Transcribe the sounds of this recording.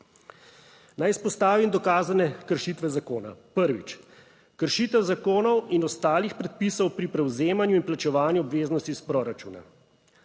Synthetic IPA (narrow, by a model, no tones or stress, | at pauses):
najispɔst̪aːʋimd̪ɔkaːzanɛkəɾʃit̪ʋɛzakoːna̰pəɾʋḭt͡ʃ | kəɾʃit̪ɛwzakoːnɔwinɔst̪aːlixpɾɛt̪̚pisɔwpɾipɾɛwzeːmanjuinplat͡ʃɛʋaːnjuɔbʋeːznɔst̪ispɾoːɾat͡ʃṵːna̰